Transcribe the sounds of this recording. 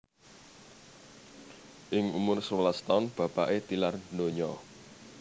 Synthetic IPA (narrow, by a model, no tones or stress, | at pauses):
ʔɪŋumʊrswlast̪ɔnb̥ä̤paʔet̪ilardnoɲɔ